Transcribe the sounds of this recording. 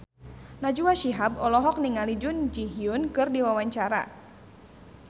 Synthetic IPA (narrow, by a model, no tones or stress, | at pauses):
nad͡ʒuwaʃiɦab̚ɔlɔɦɔk̚niŋalid͡ʒʊnd͡ʒiɦiʊnkɨrdiwawaɲt͡ʃaɾa̰